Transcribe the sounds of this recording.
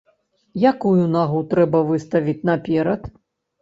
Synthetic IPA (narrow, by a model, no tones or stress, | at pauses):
jakujunaɣut̪ɾɛbɐvɨst̪ɐvʲit͡sʲn̪ɐpʲɛɾɐt̪